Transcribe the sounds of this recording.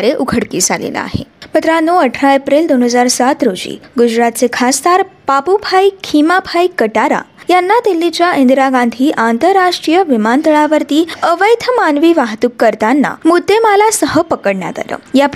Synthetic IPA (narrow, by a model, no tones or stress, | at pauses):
ɾeʔukʰəɽkiːd͡zalḛlə̰a̰ɦḛbət̪ɾanoəʈʰɾaepɾeld̪onɦəd͡zaɾsat̪ɾod͡ʑḭːɡud͡ʑɾat̪̚t͡sekʰast̪aɾpapubʱajkʰimapʰajkəʈaɾa̰janːat̪elːit͡ɕjaʔĩnd̪ɾaɡãnd̪ʱiːʔant̪əɾːaʂʈɾijəʋimant̪əɭaʋəɾt̪iːəʋəjt̪ʰəmanʋiːʋaɦt̪ukːəɾt̪anːa̰mud̪ːemalasəɦəpəkəɽɳja̰t̪a̰lə̰ːja